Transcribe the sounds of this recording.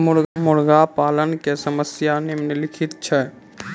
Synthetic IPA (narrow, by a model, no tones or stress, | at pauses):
mʊɾmʊɾɡapaːlənkesəməsjanemnelɪkʰɪt̪t͡ʃʰɛ